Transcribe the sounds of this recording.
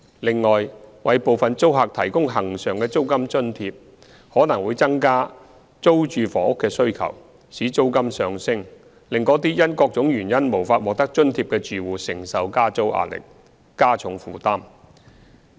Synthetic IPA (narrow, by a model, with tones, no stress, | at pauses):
lɪ˨ŋːɔː˨jwɐ˨jpo˨wfɐ˨nt͡so˥wɦaː˨k̚t̪ʰɐ˨˩jkʊ˥ŋɦɐ˨˩ŋsœː˨ŋkɛː˧t͡so˥wkɐ˥mt͡ʃɵ˥nt̪ʰiː˧p̚ | hɔː˨˥nɐ˨˩ŋwuː˨˧jt͡sɐ˥ŋkaː˥ | t͡so˥wt͡ʃyː˨fɔː˨˥hʊ˥kːɛː˧sɵ˥ɥkʰɐ̰˨˩w | siː˨˥t͡so˥wkɐ˥msœː˨ŋsɪ˥ŋ | lɪ˨ŋkɔː˨˥t̪̬iː˥jɐ˥nkɔː˧k̚t͡sʊ˨˥ŋjyː˨˩njɐ˥nmo˨˩wfaː˧t̚wɔː˨k̚t̪ɐ˥k̚t͡ʃɵ˥nt̪ʰiː˧˥p̚kɛː˧t͡ʃyː˨wuː˨sɪ˨˩ŋsɐ˨wkaː˥t͡so˥wʔa̰ː˨˧lɪ̰˨k̚ | kːaː˥t͡sʰʊ˨˧˥ŋfuː˨˩t̪aː˥m